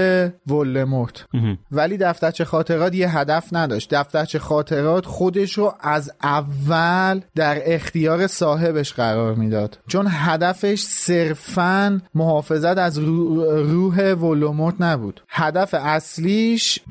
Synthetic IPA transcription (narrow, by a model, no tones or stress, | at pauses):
evolːemoɾt̪ʰvæliːd̪æft̪æɾt͡ʃʰexɒːt̪ʰe̞ɾɒːt̪jeɦæd̪æfnæd̪ɒːʃt̪̚d̪æft̪æɾt͡ʃʰexɒːt̪ʰe̞ɾɒːt̪ʰχo̞d̪e̞ʃɾoʔæzʔævːæld̪æɾe̞xt̪ijɒːɾe̞sɒːɦe̞be̞ʃɢæɾɒːɾmiːd̪ɒːd̪̥t͡ʃʰo̞nɦæd̪æfeʃse̞ɾfænmoɦɒːfe̞zæt̪æz | ruːɦe̞volːemoɾt̪ʰnæbṵːd̪̥hæd̪æfeæsliːʃ